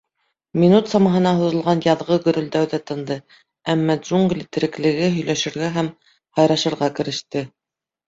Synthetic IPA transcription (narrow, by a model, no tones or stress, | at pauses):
mʲinut̪sɑmɑɦɤ̆nɑɦŏðɤ̆lˠʁɑnjɑðʁɤɡɵ̆ɾɵ̆ld̪æwðæt̪ɤ̆nd̪ɤ | æmːɑʒuŋɡlʲt̪ɘ̆ɾɘ̆klɘ̆ɡɘɦɵ̆jlæʃɘ̆ɾɡæɦæm | hɑjɾɑʃɤ̆ɾʁɑkɘ̆ɾɘ̆ʃt̪ɘ